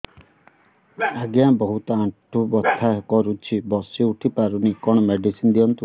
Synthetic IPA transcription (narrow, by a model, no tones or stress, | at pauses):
aɡjãbɔɦut̪ɔaʈʰubɔt̪ʰːakɔɾut͡ʃʰibɔsiuʈʰipaɾunikɔɽ̃ɔmeɖisind̪iɔnt̪u